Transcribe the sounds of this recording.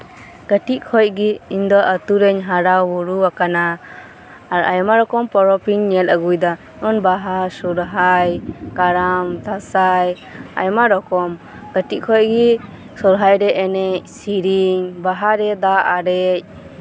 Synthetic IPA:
kəʈiʔ̚kʰɔj̚ɡiiɲd̪ɔʔət̪uɾɛɲɦaɾawuɾuwakanaː | ɾa̰jmaɾɔkɔmpɔɾɔpiɲːɛləɡujd̪a | ɔnbaɦasɔɾɦajkaɾamt̪asaj | a̰jmaɾɔkɔm | kəʈiʔ̚kʰɔj̚ɡi | sɔɾɦajɾɛʔɛnɛc̚siɾiŋbaɦaɾɛd̪aʔaɾɛc̚

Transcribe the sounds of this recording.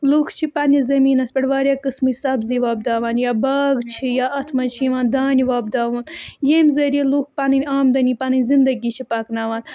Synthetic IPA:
luːxt͡ʃʰipanʲizɐmiːnɐspɐɽʋaːɾʲjaːkɨsmɨsaːbziʋaːb̚d̪aːʋaːnjaːbaːɡt͡ʃʰijaːʔɐt̪ʰmɐt͡ʃʰiʋaːnd̪aːniʋaːbd̪aːʋuːnjemzɐɾiiluːxpanɐnʲaːmd̪ɐnʲipanɐnʲzind̪ɐɡit͡ʃʰipaːknaːʋaːn

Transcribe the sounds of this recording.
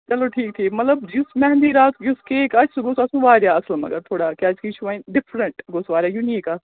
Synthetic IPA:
t͡ʃɐloːʈʰiːk̚t̪ʰiːmɐt̪ləbjʊsmɛɦnd̪iːɾaːt̪jʊskeːkɐt͡ʃsɡʊsɐsũʋaːɾjaɐslmɐ̰ɡəɾt̪ʰoːɽaːkeɐd͡ʒkit͡ʃʰuʋaĩɖɪfʰɾəɳʈɡosʋaːɾjaːjuniːkas

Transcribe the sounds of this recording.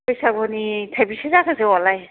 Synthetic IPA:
ɔjsabɔnitʰabisezakʰazewalaj

